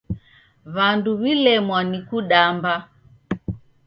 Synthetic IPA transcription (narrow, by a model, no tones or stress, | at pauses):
βanduβilɛmwanikuɗamba